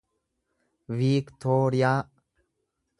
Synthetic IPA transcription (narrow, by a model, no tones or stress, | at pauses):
viːkt̪ʰoːɾɪjaː